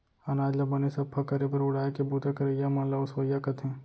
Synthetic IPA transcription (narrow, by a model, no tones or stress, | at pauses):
ɐnaːd͡ʒlɐbɐnesɐbpʰɐkɐɾepɐɾʊɽaːekebuːt̪akɐɾejamɐnlaʊswɐjakɐt̪ʰẽː